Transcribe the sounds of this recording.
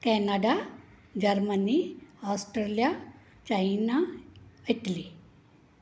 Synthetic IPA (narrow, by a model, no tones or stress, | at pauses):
kɛnaɖa | d͡ʑəɾməniasʈɾelja | t͡ɕainaiʈ̪li